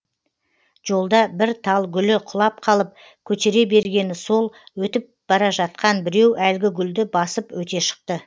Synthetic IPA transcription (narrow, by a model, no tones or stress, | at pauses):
ʒo̞lˠd̪ɑbɪɾt̪ʰɑlˠɡʲʏlɪqʰʊlˠɑp̚qʰɑlˠəp̚ | kʲʰɵt͡ʃeɾe̞be̞ɾɡʲe̞nɪso̞lˠwɵt̪ɪp̚b̥ɑɾɑʒɑt̪̚qɑnbɪɾe̞wælɡʲɪɡʲʏld̪ɪbɑsəpwɵt̪e̞ʃə̥q̚t̪ə